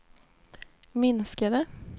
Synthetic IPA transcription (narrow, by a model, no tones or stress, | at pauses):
mɪnskad̪ə